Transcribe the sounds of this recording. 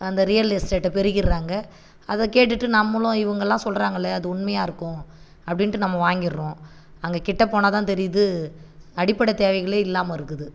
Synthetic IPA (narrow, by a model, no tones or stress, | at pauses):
ɐnd̪ɐɾɪjɐlesʈeːʈːɐpɛɾɪɣɪɾɾaːŋɡɐ | ɐðɐkeːʈ̬ːɯʈːɯnɐmːɐlʊ̃ɪʋɐŋɡɐlːãːsɔlɾaːŋɡɐɪlːɐɐðɯʊɳmɐjaːɪɾɯkːʊ̃ | ɐpːɐɽɪnʈːɯnɐmːɐʋaːŋɡɪɾɾʊ̃ | ɐŋɡekɪʈːɐpoːnaːt̪ãːt̪ɛɾɪjðɯ | ɐɽɪpːɐɽɐt̪eːʋɐɪɣɐɭeːɪlːaːmɐɪɾɯkːɯðɯ